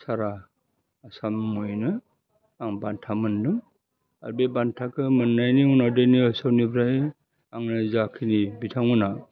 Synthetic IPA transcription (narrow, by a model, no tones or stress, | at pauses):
saɾaː | samːujnɯ | aŋbantʰamɯnnɯ | a̰ɾbebantʰakʰɯmɯnːajniunawdajniɯsawnibʰɾaj | aŋnɯzakʰinibitʰaŋuna